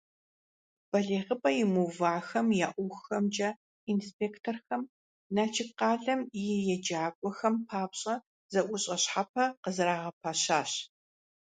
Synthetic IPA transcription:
b̥ɐɮeːʁəpʼɐjɪmuvaːxɐmjaːʔʷʊxxɐmd͡ʒʼɐ | inspʰeːktʰorxɐm | naːt͡ʃʰɪqɑːɮɐmjɪjɛd͡ʒaːkʷʼɔxɐmpʰaːpɕʼɐ | z̥ɐʔʷʼʊɕʼɐɕħap̚ʰɐqəzɨɾaːʁɐpʰaːɕaːɕ

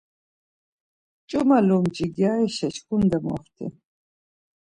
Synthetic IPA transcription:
t͡ʃʼɔmalɔmd͡ʒiɡjaːiʃat͡ʃkʰund̪amɔ̰χt̪ʰɛ̰

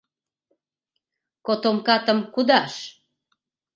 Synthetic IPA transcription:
kot̪omkɑt̪ə̆mkud̪ɑʃ

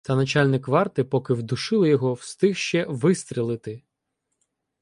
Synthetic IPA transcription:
t̪ɐnɐt͡ʃɑlʲnɪkʋɑrt̪ɪpɔkɪwd̪ʊʃɪlˠɪjɔɦɔwst̪ɪxʃt͡ʃɛʋɪst̪ɾʲilˠɪt̪ɪ

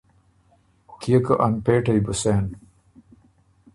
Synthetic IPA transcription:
kijɐkɐʔɐnpeːʈɐjbuseːn

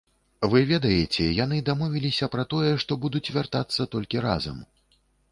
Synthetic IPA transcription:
vɨvʲɛd̪ɐjɛt͡sʲɛjan̪ɨd̪amɔvʲilʲisʲɐpɾɐt̪ɔjɛʂt̪ɔbud̪ut͡sʲvʲart̪at̪sːɐt̪ɔlʲkʲiɾa̰zɐ̰m

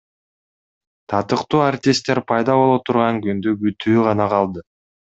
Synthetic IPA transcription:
t̪ʰɑt̪ɯqt̪uːart̪ʲɪst̪ːeɾpʰɑjd̪ɑβo̞lˠot̪ʰuɾʁɑŋɡynd̪yɡyt̪ʰyːʁɑnɑqʰɑlˠd̪ɯ

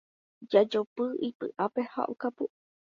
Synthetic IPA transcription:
d͡ʒad͡ʒopɨʔipɨʔapeha̰ʔokapu

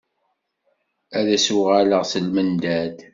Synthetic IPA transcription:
æðæsuʁæləʁsəlmənd̪æd̪

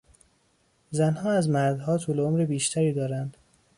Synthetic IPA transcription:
zænhɒːæzmæɾd̪ɦɒːt̪ʰuːleomɾebiːʃt̪ʰæɾiːd̪ɒːɾænd̪̥

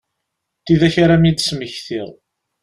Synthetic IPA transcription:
θiðæçaɾæmid̪sməçθiʁ

